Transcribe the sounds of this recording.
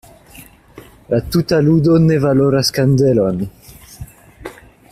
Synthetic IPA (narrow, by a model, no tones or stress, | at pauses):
lat̪ut̪alud̪onevaloɾaskand̪elɔn